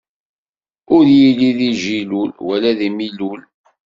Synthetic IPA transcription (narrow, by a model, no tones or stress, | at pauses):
ʊɾjiliðiʒilulwælæðimilul